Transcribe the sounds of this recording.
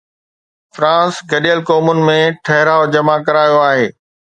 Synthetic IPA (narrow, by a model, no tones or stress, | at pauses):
fɾãːsɡɐɗijəlkoːmʊnɪ̆mẽʈʰɐɦɪɾaːʊd͡ʑɐmakɐɾaːjoaːɦeː